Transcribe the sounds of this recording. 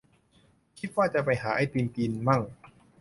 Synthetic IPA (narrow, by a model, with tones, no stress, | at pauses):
kʰi˦t̪̚waː˥˩t͡ɕa˨˩pa˧jɦaː˩˦ʔa˥˩jpiː˧nkiː˧nma˥˩ŋ